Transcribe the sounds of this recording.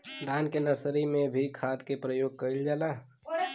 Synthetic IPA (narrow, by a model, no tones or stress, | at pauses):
d̪aːnkenəɾsɾimẽbʱikʰaːt̪kepɾəjoːɡ̚kəɪld͡ʒaːlaː